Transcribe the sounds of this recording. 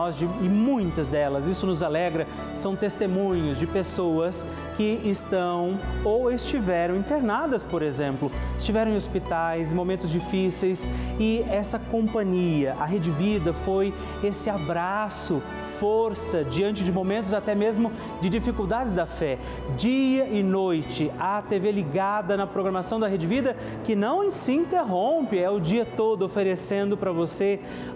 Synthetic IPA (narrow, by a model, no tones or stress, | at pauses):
ɔzd͡ʒɪɪmũj̃t̪ɐzd̪ɛlɐzisʊnʊzalɛɡɾɐ | sɐ̃w̃t̪est̪emũɲʊzd͡ʒɪpesowɐs | kɪɪst̪ɐ̃w̃owɪst͡ʃivɛɾɐ̃w̃ĩnt̪eɾnad̪ɐspoɾezẽmplʊɪst͡ʃivɛɾɐ̃w̃ẽospit̪ajsmomẽnt̪ʊzd͡ʒifisejsɪɛsɐkõpɐ̃ɲiɐʔɐɦed͡ʒɪvid̪ɐfoj | esɪabɾasʊ | foɾsɐd͡ʒiɐ̃nt͡ʃɪd͡ʒɪmomẽnt̪ʊzat̪ɛmezmʊ | d͡ʒɪd͡ʒifikuwd̪ad͡ʒɪzd̪ɐfɛ | d͡ʒiɐʔɪnojt͡ʃɪɐt̪eveliɡad̪ɐnɐpɾoɡɾɐmasɐ̃w̃d̪ɐɦed͡ʒɪvid̪ɐ | kɪnɐ̃w̃ẽsɪĩnt̪eɦõpɪɛʊd͡ʒiɐt̪od̪ʊofeɾesẽnd̪ʊpɾɐvose